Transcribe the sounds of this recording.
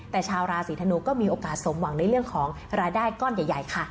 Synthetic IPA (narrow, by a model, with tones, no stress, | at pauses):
t̪ɛː˨˩t͡ɕʰaː˧wɾaː˧siː˩˦t̪ʰnuː˧kɔː˥˩miː˧ʔoː˧kaː˨˩t̪̚so˩˦mwa˨˩˦ŋna˧jɾəŋkʰɔː˩˦ŋ | ɾaː˧jdaː˥˩jkɔː˥˩njaː˨˩ja˨˩jkʰa˥˩